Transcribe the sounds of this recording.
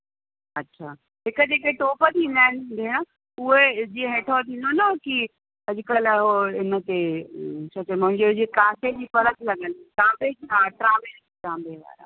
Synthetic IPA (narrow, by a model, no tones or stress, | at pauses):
ɐtːɕʰaː | ɦɪkəd͡ʑeːkeʈoːpət̪ʰĩːn̆d̪aːɪñːnd̪ʱeɽ̃ə̆ | ʊɦed͡ʑiːə̃ɦẽːʈʰɔt̪ʰĩːnd̪onɐki | ɐd͡ʑʊkɐlɦoɪnə̆t̪et͡ɕʰɐt͡ɕɐmʊ̃ɦɪ̃ɲd͡ʑeɦʊd͡ʑekãːsed͡ʑiːfɐɾət̪ʰlɐɠənʈãːmbeiaːʈɾãːbed͡ʑit̪ãːmbeʋa̰ːɾa̰